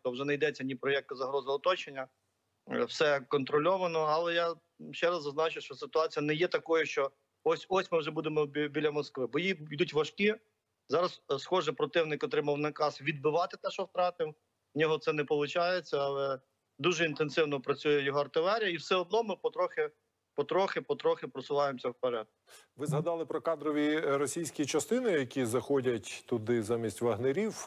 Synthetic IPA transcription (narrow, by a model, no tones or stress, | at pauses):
t̪ɔwʒɛnɐjd̪ɛt͡sʲːɐnʲipɾɔjɛk̚t̪ɪzɐɦɾɔzɪɔt̪ɔt͡ʃenʲːɐ | wsɛkɔnt̪ɾɔlʲɔʋɐnɔɐlˠɛja | ʃt͡ʃɛɾɐzːɐznɑt͡ʃʊwʃt͡ʃɔsɪt̪ʊɑt͡sʲijɐnɛjɛt̪ɐkɔjʊʃt͡ʃɔ | ɔsʲɔsʲmɪwʒɛbud̪emɔbʲilʲɐmɔskʋɪbɔjijd̪utʲʋɐʃki | zɑɾɐssxɔʒɛpɾɔt̪ɪwnɪkɔt̪ɾɪmɐwnɐkɑsʋʲid̪̚bɪʋɑt̪ɪt̪ɛʃɔwt̪ɾɑt̪ɪw | nʲɔɦɔt̪sɛnɛpɔlˠʊt͡ʃɑjet͡sʲːɐɐlˠɛ | d̪uʒɛint̪ensɪwnɔpɾɐt͡sʲujɛjɔɦɔɐrt̪ɪlˠɛɾʲijɐiwsɛɔd̪̚nɔmɪpɔt̪ɾɔxɪ | pɔt̪ɾɔxɪpɔt̪ɾɔxɪpɾɔsʊlˠɑjemsʲɐwpɐlʲat̪̚kʊ̥ʋɪzɦɐd̪ɑlˠɪpɾɔkɑd̪ɾɔʋʲiɾɔsʲijsʲkʲit͡ʃɐst̪ɪnɪjɐkʲizɐxɔdʲɐtʲt̪ʊd̪ɪzamʲisʲtʲʋɐɦneɾʲiw